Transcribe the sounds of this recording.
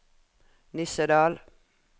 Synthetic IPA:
nʏsəd̪ɑːl

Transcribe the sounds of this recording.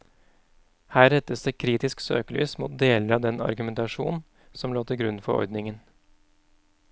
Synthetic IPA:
hæːɾɛt̪ːəsd̪eːkʰɾiːt̪ɪsksø̰ːkəly̰ːsmuːt̪̚d̪eːləɾɑʋd̪ɛnɑ̰ɾɡʉmɛnt̪ɑʂṵːnn̩ | sɔmloːt̪ʰɪɡɾʉnfɔɾɔ̰ɾd̪nɪŋən

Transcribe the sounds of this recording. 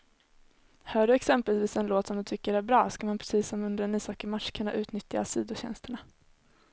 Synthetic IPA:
hœːɖɵɛksɛmpɛlviːsɛnloːt̪sɔmd̪ɵt̪ʰʏkːəɖɛæɾbɾɑːskamanpʰɾɛsiːsːɔmɵnd̪ɾaniːsɑːkəmaʈʂkʰɵnːa̰ʔʉ̟ːt̪nʏt̪ja̰siːd̪ʊɕɛ̰nst̪əɳa

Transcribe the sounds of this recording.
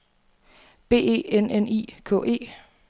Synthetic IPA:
b̥e̝̰ːe̝̰ːenʔenḭːkʰɔ̰̽ːʔe̝̰ː

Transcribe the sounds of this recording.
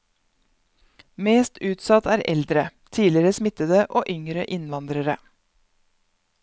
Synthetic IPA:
meːst̪ʉːt̪sɑt̪æːɾʔɛld̪ɾət̪ʰiːlɪɾəsmɪt̪əd̪əʔoːʔʏŋɾə̰ʔɪnʋɑnd̪ɾəɾə

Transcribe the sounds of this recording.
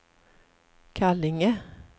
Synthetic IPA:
kʰalɪŋə

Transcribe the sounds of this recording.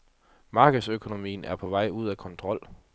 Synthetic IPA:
mɑ̈ːɡ̥əð̩ˠsøkʰo̝no̝mḭːn̩æɐpʰɒ̽ʋɑ̈ɪ̰uð̰ˠækʰɒ̽nt͡sʰʁɒ̽l̰

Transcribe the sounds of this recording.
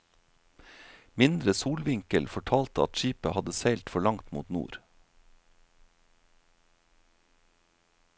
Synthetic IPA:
mɪnd̪ɾəsuːlʋɪŋkəlfɔʈʰɑːlt̪əɑ̰t̪ʃiːpəhɑd̪əseɪlt̪fɔɭɑŋt̪mṵːt̪nṵːɾ

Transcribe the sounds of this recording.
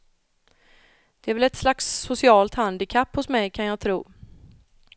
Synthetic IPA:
d̪̥ɛæɾvɛlɛt̪slaksːʊsɪɑːlt̪hand̪ɪkʰapːhʊsmɛjkʰanjɑːɡt̪ʰɾuː

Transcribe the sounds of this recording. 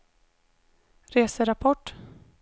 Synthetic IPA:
ɾeːsəɾapʰɔʈː

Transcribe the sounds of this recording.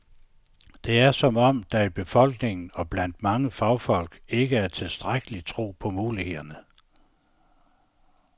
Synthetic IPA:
d̥e̝æɐsɒ̽mɒ̽md̥æib̥e̝fɒ̽l̰ɡ̥ne̝ŋn̩ɒ̽b̥læn̰d̥mɑ̈ŋəfɑ̈ʊfɒ̽l̰ɡ̥e̝ɡ̥əæɐt͡sʰe̝lsd̥ʁaɡ̥əlit͡sʰʁo̝̰ːpʰɒ̽muːlihe̝ð̰ˠɐnə

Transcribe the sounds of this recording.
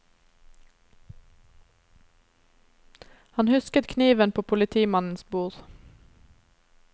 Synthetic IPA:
hɑnhʉskət̪kʰniːʋənpʰoːpʰʊlɪt̪ʰiːmɑnn̩sbuːɾ

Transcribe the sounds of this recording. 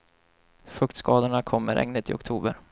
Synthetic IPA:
fɵkt̪skɑːd̪əɳakʰɔmːəɾʔɛ̰ŋnət̪ʰɪɔkt̪ʰuːbə̰ɾ

